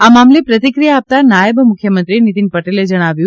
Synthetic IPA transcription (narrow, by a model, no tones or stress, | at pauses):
amamlepɾət̪ikɾijaːp̚t̪anajəbmʊkʰjəmənt̪ɾinit̪inpəʈeled͡ʒəɽ̃aʋju